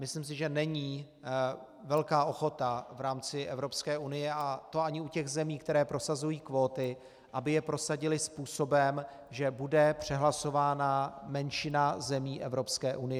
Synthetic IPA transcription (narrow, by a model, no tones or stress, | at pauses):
mɪslims̬ɪʒɛnɛɲiː | vɛlkaːʔo̞xo̞t̪avɾaːmt͡sɪʔɛvɾo̞pskɛːʔunɪjɛʔat̪o̞aɲɪucɛɣzɛmiːkt̪ɛɾɛːpɾo̞sazujiːkvo̞ːt̪ɪ | ʔabɪjɛpɾo̞saɟɪlɪspuːso̞bɛm | ʒɛbudɛpr̝̥ɛɦlaso̞vaːnamɛnʃɪnazɛmiːʔɛvɾo̞pskɛːʔunɪjɛ